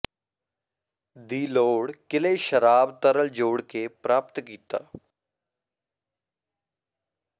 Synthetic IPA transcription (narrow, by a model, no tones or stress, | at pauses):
d̪iːloːɽkɪleːʃəɾaːbt̪əɾəld͡ʒoːɽkepɾaːpt̪kiːt̪aː